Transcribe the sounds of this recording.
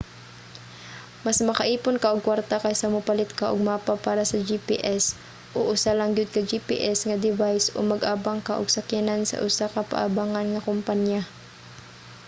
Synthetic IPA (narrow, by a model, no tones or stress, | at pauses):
masmɐkɐʔiːpʊnkaʔoɡ̚kːwaɾt̪akajsɐmʊpalɪt̪kaʔoɡ̚maːpapaːɾasɐd͡ʒipḭʔɛs | ʔoʔʊsalɐŋɡʊd̪̚kɐd͡ʒipḭʔɛsŋɐd̪ɪvajsʔo̰mɐɡʔaːbaŋkaʔoɡ̥̚sɐkjanansɐ̰ʔʊsakɐpa̰ʔa̰baːŋanŋɐkʊmpanja